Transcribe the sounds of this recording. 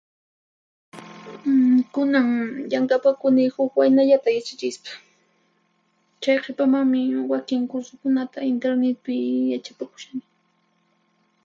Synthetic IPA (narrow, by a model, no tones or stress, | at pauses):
kʊnaŋʎaŋkapakʊnɪhʊkwajnaʎat̪ajat͡ʃat͡ʃɪʃpḁ | t͡ʃajqʰɪpamaŋmɪwakɪŋkʊɾsʊkʊnat̪aɪnt̪eɾnet̪̚pɪjat͡ʃapakʊ̥ʃanɪ